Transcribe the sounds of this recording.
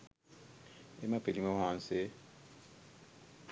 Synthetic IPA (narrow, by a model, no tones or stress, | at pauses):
emapelimaɦaːnse